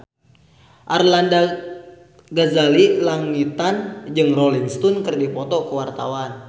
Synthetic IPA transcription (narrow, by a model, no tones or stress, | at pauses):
ʔarlanda | ɡazalilaŋit̪and͡ʒɨŋrɔliŋst̪ɔnkɨrdipɔt̪ɔkəwart̪awan